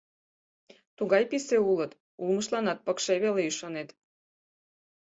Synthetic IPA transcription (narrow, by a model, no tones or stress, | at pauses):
t̪uɣɑjpiseulət̪ | ulməʃlɑnɑt̪̚pɤkʃeβeleyʃɑnet̪